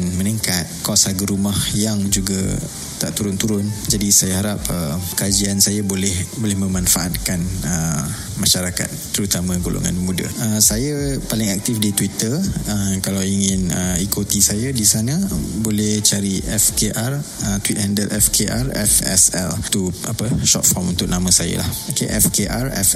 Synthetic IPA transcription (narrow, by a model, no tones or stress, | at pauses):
nmə̃niŋkat̪̚kɔsaɡəɾumahjaŋd͡ʒuɡa̰ | t̪aʔt̪uɾʊnt̪uɾʊnd͡ʒadisajaɦaɾap̚əkad͡ʒiansajabolɛhbolɛhmə̃manfaʔat̪̚kanə | maʃaɾaka̰t̪ːəɾut̪amãɡolʔo̰ŋa̰nmudə̰əsajapalɪŋak̚t̪ɪfdit̪wit̪əəkalawiŋɪnəikot̪isajadisanə̃bolɛht͡ʃaɾiʔɛfkeʔarət̪wit̪̚handəlʔɛfkʰeʔarɛ̰fɛ̰sɛ̰lt̪uapəʃɔ̰t̪̚fɔmṵnt̪ʊk̚namə̃saja̰la̰hokeʔɛfkeʔarɛ̰f